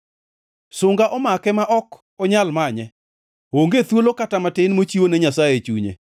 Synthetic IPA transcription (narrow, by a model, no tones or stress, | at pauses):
sʊŋɡaʔɔmakɛmaʔɔk | ɔɲalmaɲɛ | woŋɡet̪wolokatamatɪnmot͡ʃiwonɛɲasajet͡ʃṵɲḛ